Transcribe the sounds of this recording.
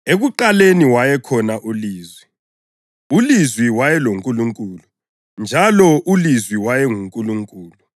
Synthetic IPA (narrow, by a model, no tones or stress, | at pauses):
eɣuǃaleniwajɛkʰɔnaʔuliːzwi | ulizwiwajɛloŋkʼuluŋkʼuːlu | nd͡ʒʱalɔʔulizwiwajɛŋuŋkʼuluŋkʼuːlu